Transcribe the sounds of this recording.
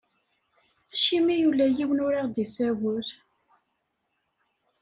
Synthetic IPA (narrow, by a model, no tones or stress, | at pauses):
æʃimijulæjiwənʊɾaʁd̪isæwəɾ